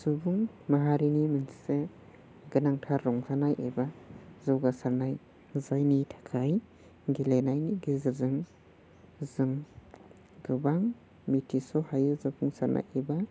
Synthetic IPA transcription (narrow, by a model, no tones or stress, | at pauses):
subuŋ | maɦaɾiniminsi̥se | ɡɯnaŋtʰaɾːɔŋsʰanajʔebazɔwɡasaɾnaj | zajnitʰḁkʰaj | ɡilenajniɡizɯzɯŋ | zɯŋ | ɡɯbaŋ | mitʰisɔhajɯzapʰuŋsaɾnʔa̰jeba